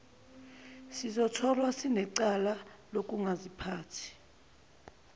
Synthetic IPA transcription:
sizɔtʰɔlwasinɛǀalalok̬ʼuŋazipʰaːtʰi̥

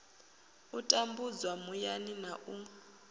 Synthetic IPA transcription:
utʼambud͡zwamujaninaʔuŋa

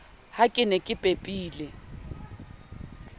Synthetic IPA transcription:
hakʼɪnɛkʼɪpʼepʼiːlɪ

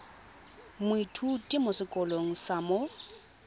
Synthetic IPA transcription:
mʊitʰutʼɪmʊsɪkʼɔloŋ̩samo

